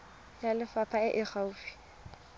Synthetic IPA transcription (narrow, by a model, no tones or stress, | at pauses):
jalɪfapʰaɪʔɪχauːfi̥